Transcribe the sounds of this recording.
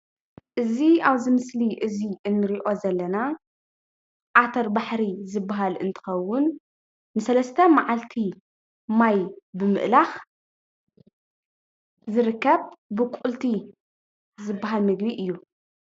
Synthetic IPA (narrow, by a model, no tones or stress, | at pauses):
ʔɨziaβzɨmɨsliʔɨziɨnːɨɾiʔo̞zɐlːɐna | ʔat̪ʰɐɾbaħɾizɨbːaɦalɨnt̪ʰɨ̥xɐwːʊnː | ɨsɐlɐst̪ʰɐmaʕalt̪ʰi | majbɨmɨ̰ʔlax | zɨɾɨkːɐβbɨkʷʼult̪ʰi | zɨbːaɦalmɨɡbiʔɨjːu